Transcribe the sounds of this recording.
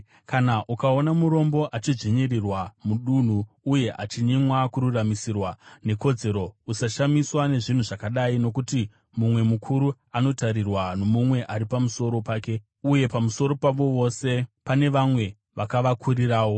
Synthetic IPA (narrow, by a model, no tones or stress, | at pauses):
kanaʔukao̞namuɾo̞mbo̞ʔat͡ʃid͡ʒʐeɲerirwamuɗun̤uː | je̞ʔa̰t͡ʃiɲimwakuɾuramisirwane̞ko̞d͡ze̞ɾo̞usaʃamiswane̞ʐin̤uʐakaɗaino̞kuti | mumwe̞mukʰuɾu | ano̞taɾirwano̞mumwe̞ʔaɾipamuso̞ɾo̞paːke̞ | uje̞pamuso̞ɾo̞paʋo̞ʋo̞se̞pane̞ʋamwe̞ | ʋakaʋakʰuɾiraːwo̞